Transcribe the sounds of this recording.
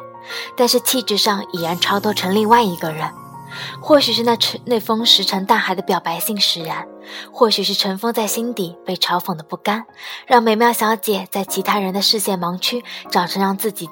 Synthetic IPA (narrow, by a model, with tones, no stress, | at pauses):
t̪a˥˧nʂɻ̩˥˧t͡ɕʰi˥˧ʈ͡ʂɻ̩˥ʂɑ˥˩ŋi˨˩jɛ˧˥nʈ͡ʂʰɑ˥ʊt̪ɔ˥ʈ͡ʂʰɤ˧˥ŋli˥˧ŋwa˥˩ɪi˧˥ɡə˧ɻə˧˥n | xwɔ˥˩ɕy˨˩ʂɻ̩˥˧na˥˩˧ne˥˩ɪfɤ˥ŋʂɻ̩˧˥ʈ͡ʂʰɤ˧˥ŋt̪a˥˩xa˨˩ɪd̪ə˦pjɑ˨˩ʊpa˧˥ɪɕi˥˩ŋʂɻ̩˧˥ɻə˧˥n | xwɔ˥˩ɕy˨˩ʂɻ̩˥˩ʈ͡ʂʰɤ˧˥ŋfɤ˥ŋt͡sa˥˩ɪɕi˥nt̪i˨˩˦pe˥˩ɪʈ͡ʂʰɑ˧˥ʊfɤ˨˩ŋd̪ə˦pu˥˩ka˥nɻɑ˥˩ŋme˧˩ɪm˥˧˥ɕjɑ˧˥jt͡ɕjɛ˨˩t͡sa˥˩ɪt͡ɕʰi˧˥t̪ʰa˥ɻə˧˥nd̪ə˧ʂɻ̩˥˧ɕjɛ˥˩nmɑ˧˥ŋt͡ɕʰy˥ʈ͡ʂɑ˨˩ʊʈ͡ʂʰɤ˧˥ŋɻɑ˥˧ŋt͡sɹ̩˥˩t͡ɕi˨˩